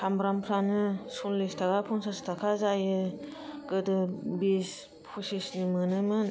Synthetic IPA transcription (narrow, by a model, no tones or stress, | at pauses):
kʰambɾampʰɾanɯsunlestʰaɡapʰɔŋsastʰakʰazajɯ | ɡɯdɯbis | pʰusisnimɯnɯmɯn